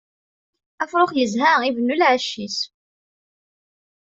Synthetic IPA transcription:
æfɾˤoχjəzɦæivənːulʕəʃːis

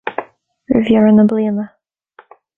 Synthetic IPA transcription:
ɹɪ̰vjʉɹə̃nəbliəmə

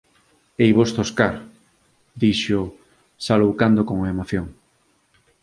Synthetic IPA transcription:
ejβost̪oskaɾ | d̪iʃo | salowkand̪okoŋoemoθjoŋ

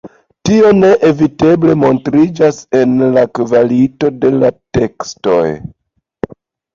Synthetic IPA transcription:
tio̞ne̞ʔevite̞ble̞mo̞ntɾid͡ʒase̞nlakvalito̞de̞late̞ksto̞̰j

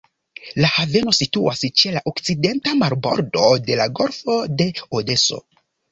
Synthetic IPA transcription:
lahave̞no̞situast͡ʃe̞laʔokt͡side̞ntamaɾbo̞̰ɾdo̞de̞laɡo̞ɾfo̞de̞ode̞so̞̰

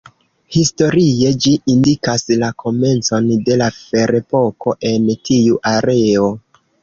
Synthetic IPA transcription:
histo̞ɾie̞d͡ʒiindikaslakʰo̞me̞nt͡so̞nde̞lafe̞ɾe̞po̞ko̞ʔe̞ntʰiuʔaɾe̞o̞

